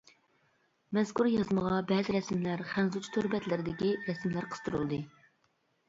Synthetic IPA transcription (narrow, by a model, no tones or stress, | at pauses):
mɛzkʰuɾjɑzməʁɑbɛːzɪɾɛsmlæɾχænzut͡ʃʰu̥t̪ʰøɾbɛt̪lɪɾɪd̪ɪkʲiɾɛsmlæɾqʰə̥z̥t̪ʰɨɾṵlˠd̪ɨ